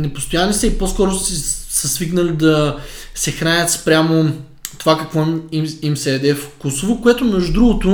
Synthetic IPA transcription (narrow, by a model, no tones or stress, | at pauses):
nɛpo̥st̪ojanisɛiposkɔɾosɛsɐsviknəlid̪ɐsɛxɾanʲət̪spɾʲamo | t̪ovakɐkvɔimsɛːd̪ɛfkosovokoʊɛt̪ʊnɐʒd̪ɾuɡot̪o